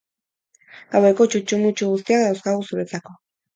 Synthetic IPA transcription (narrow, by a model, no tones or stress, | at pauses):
awejkot͡ʃut͡ʃumut͡ʃuɣus̬t̪iakðawskaɣusuβet͡sako